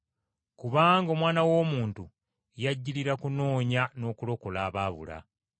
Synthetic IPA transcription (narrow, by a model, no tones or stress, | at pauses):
kuβaːŋɡo̞mwaːnawo̞ːmuːntu | jaɟːiliɾakuno̞ːɲano̞ːkulo̞ko̞laːβaːβṵla̰